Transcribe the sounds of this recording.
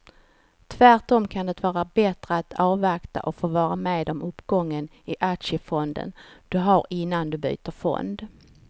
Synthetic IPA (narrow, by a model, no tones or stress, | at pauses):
t̪ʰvæʈɔmkʰand̪ɛt̪vɑːɾabɛt̪ɾəat̪ʰɑːvakt̪a̰ʔɔfoːvɑːɾameːd̪ɔmɵpːɡɔŋːən | ɪʔakʂəfɔnd̪ə̰nd̪̥ɵɦaɾɪnːand̪ɵby̰ːt̪əɾfɔ̰nd̪